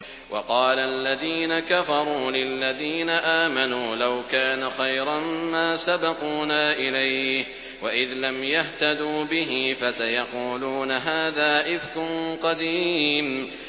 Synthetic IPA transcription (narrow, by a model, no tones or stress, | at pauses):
wʔɑqɑːlalːaðiːnakafɑɾˤuːlɪlːaðiːnaʔaːmanuːlawkaːnaxajɾˤɑmmaːsabɑquːnaːʔɪlajh | waʔɪðlamjaht̪ad̪uːbɪɦɪfasajɑquːluːnaɦaːðaːʔɪfkʊnqɑd̪im